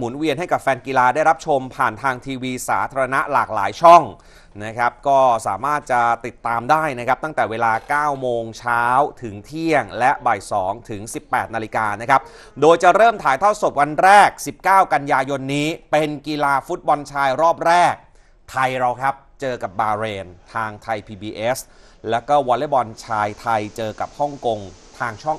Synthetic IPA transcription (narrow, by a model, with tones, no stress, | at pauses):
mu˩˦nwi˧ənɦa˥˩jka˨˩p̚fɛː˧nkiː˧laː˧daː˥˩jɾa˦˥p̚t͡ɕʰo˧mpʰaː˨˩nt̪ʰaː˧ŋt̪ʰiː˧wiː˧sa̰ː˩˦t̪ʰaː˧ɾa˧na˦˥ʔla̰ː˨˩k̚la̰ː˩˦jt͡ɕʰɔ˥˩ŋ | na˦˥kʰa˦˥p̚kɔː˥˩sa̰ː˩˦maː˥˩t̪̚t͡ɕa˨˩t̪i˨˩t̪ːaː˧mdaː˥˩jna˦˥kʰa˦˥p̚t̪a˥˩ŋt̪ɛː˨˩weː˧laː˧kaː˥˩wmoː˧ŋt͡ɕʰaː˦˥wt̪ʰɯ˩˦ŋt̪ʰi˥˩əŋlɛ˦˥ʔba˨˩jsɔː˩˦ŋt̪ʰɯ˩˦ŋsi˨˩pːɛː˨˩t̪̚na˧li˧kaː˧na˦˥kʰa˦˥p̚ | doː˧jt͡ɕa˨˩ɾɤː˥˩mt̪ʰaː˩˦jt̪ʰa˥˩wso˨˩t̪̚wa˧nɾɛː˥˩k̚si˨˩p̚kaː˥˩wka˧njaː˧jo˧nːiː˦˥pe˧nkiː˧laː˧fu˦˥t̪̚bɔ˧nt͡ɕʰaː˧jɾɔː˥˩p̚ɾɛː˥˩k̚ | t̪ʰa˧jɾa˧wkʰa˦˥p̚t͡ɕɤː˧ka˨˩p̚baː˧ɾeː˧nt̪ʰaː˧ŋt̪ʰa˧jpʰiː˧biː˧ʔeː˦˥s | lɛː˦˥wkɔː˥˩wɔː˧le˦˥˩bɔ˧nt͡ɕʰaː˧jt̪ʰa˧jt͡ɕɤː˧ka˨˩p̚hɔ˥˩ŋko˧ŋt̪ʰaː˧ŋt͡ɕʰɔ˥˩ŋ